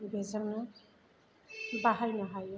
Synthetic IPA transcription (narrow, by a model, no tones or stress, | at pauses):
bʱezaŋna | baɦajnaɦaj